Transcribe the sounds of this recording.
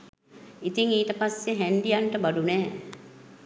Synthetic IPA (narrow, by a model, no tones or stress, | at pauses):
it̪iŋiːt̪əpasjeɦɛɳɖijanʈəbaɖunɛː